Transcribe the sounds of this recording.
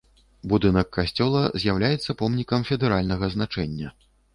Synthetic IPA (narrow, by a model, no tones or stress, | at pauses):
bud̪ɨnɐkːasʲt͡sʲɔlˠɐzʲjawlʲajɛt̪sːɐpɔmnʲikɐmfʲɛd̪ɛɾalʲnɐɣɐznat͡ʂɛnʲːɐ